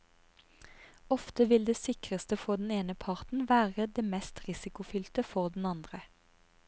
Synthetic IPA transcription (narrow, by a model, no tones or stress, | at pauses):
ɔft̪əʋɪld̪eːsɪkʁəst̪əfoːd̪n̩eːnəpʰɑʁt̪n̩ʋæːʁəd̪eːmɛst̪ʁɪsɪkʊfʏlt̪əfɔʁd̪n̩ɑnd̪ʁə